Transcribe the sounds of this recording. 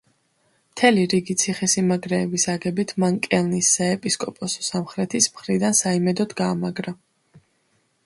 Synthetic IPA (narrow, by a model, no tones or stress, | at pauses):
mt̪ʰɛliɾiɡit̪sʰiχɛsimaɡɾɛːbisaɡɛbit̪ʰmankʼɛlˠnisːaɛpʼiskʼɔpʼɔsɔ̥samχɾɛt̪ʰismχɾid̪ansaimɛd̪ɔd̪ɡaːmaɡɾa